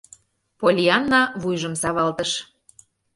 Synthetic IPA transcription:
polʲiɑnːɑβujʒə̆msɑβɑlt̪əʃ

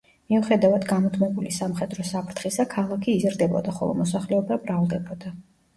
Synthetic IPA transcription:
miɔχɛd̪avad̪ɡamɔt̪ʰmɛbulisamχɛd̪ɾɔsapʰɾt̪ʰχisakʰalˠakʰiːzɾd̪ɛbɔ̰d̪aχɔ̰lˠɔ̰mɔs̬aχlɛɔbabɾalˠd̪ɛbɔd̪a

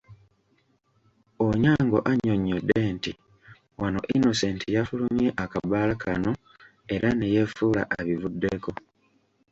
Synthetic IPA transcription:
oɲaːŋɡo̞̰ʔaɲːo̞ɲːodːe̞nti | wano̞̰ʔino̞se̞ːntijafulumje̞ʔakabalakʰano̞ | e̞ɾʔanejefuːla̰ʔaβivudːeko̞

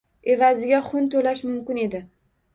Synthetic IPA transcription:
e̞vazɪɡʲaχʊnt̪ʰolaʃmʊmkʲɪne̞d̪ɪ

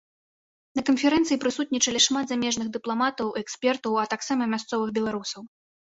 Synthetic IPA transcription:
nɐkɐnfʲɛɾɛnt̪sɨjipɾɨsut̪̚ʲnʲit͡ʂɐlʲɛʂmad̪zamʲɛʐnɨɣd̪ɨplˠamat̪ɐwiɛkspʲɛrt̪ɐwɐt̪aksamɐmʲast̪sɔvɨxbʲɛlˠaɾusɐw

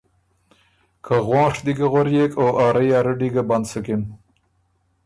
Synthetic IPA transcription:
kʰaɣwɑ̃ːʂd̪iɡaɣaɾjekoʔɑːɾajɑːɾəɖiɡaband̪səkɪn

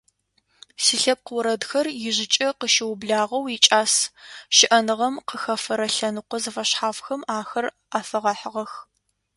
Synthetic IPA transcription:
siːɬɐp̚qəwɾɐdxɐrjɪʑɪt͡ʃʼɐqəʃɪwʊbɮaːʁɐwit͡ʃʼaːsʃɪʔɐnɨʁɐmqəxɐfɐɾɐɬɐnɨqʷɔzɐfɐɕħaːfxɐmaːxɐr | aːfɐʁɐħʁɐx

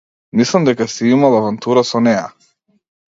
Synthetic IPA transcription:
mislˠamd̪ɛkasiimalˠavant̪uɾasɔnɛja

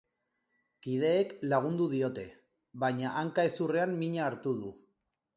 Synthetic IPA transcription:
kið̞e̞ːklaɣ̞und̪uðio̞t̪e̞ | βajɲaʔaŋkae̞sure̞ammiɲaːɾt̪uð̞u

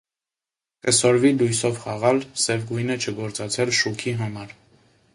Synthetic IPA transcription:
kəsɔɾvilujsɔvχɑʁɑlsɛvɡujnət͡ʃʰəɡɔɾt͡sɑt͡sʰɛlʃukʰiɦɑmɑɾ

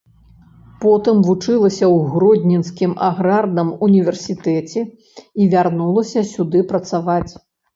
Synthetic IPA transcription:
pɔt̪ɨmvut͡ʂɨlˠɐsʲɐwɣɾɔd̪ʲnʲɛnskʲimʔaɣɾard̪ɐmunʲivʲɛrsʲit̪ɛt͡sʲɛ | ivʲarnulˠɐsʲɐsʲud̪ɨpɾɐt̪savat͡sʲ

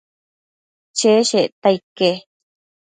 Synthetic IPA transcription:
t͡ʃeʃeʔt̪aike

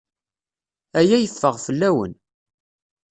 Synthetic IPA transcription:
æjæjəfːəʁfəlːæwə̰n

